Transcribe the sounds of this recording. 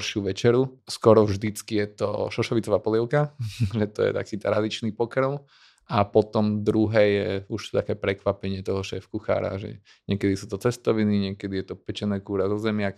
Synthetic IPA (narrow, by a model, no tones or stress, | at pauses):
ɾʃɪuʋɛt͡ʃɛɾuskɔɾɔvʒd̪it͡skijɛt̪ɔ̰ʃɔʃɔʋit͡sɔʋaːpɔlɪɛʊkaʒɛt̪ɔjɛ̰t̪a̰kiːt̪ɾad̪it͡ʃnipɔkɾən | apɔt̪ɔmd̪ɾuɦɛjɛuʃt̪akɛːpɾɛkʋapɛɲɪɛt̪ɔɦɔʃɛːfkuxa̰ːɾa̰ʒɛ̰ | ɲɪɛkɛd̪isuːt̪ɔt͡sɛst̪ɔʋiniɲɪɛkɛd̪ijɛt̪ɔpɛt͡ʃɛnɛːkuːɾazɔzɛmɪak